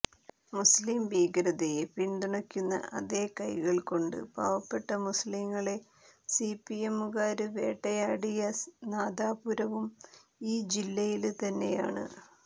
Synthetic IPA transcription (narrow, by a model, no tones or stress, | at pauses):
muslimbiːɡɾɐðɐjepiɳd̪iɳɐkʲːunːɐ̰ʔɐ̰ðe̞ːkɐjɣɐɭko̞ɳɖɨ̰baːʋɐpːe̞ʈːɐmusliŋːɐɭe̞ | sipiemːuɣaːɾɨʋe̞̰ːʈːɐjaːɽijɐnaːd̪aːpuɾɐʋumiːd͡ʑilːɐjilt̪ɐnːe̞ja̰ːɳɨ̰